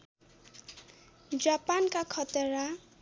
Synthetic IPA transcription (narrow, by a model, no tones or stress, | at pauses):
d͡ʒapankakʰʌt̪eɾa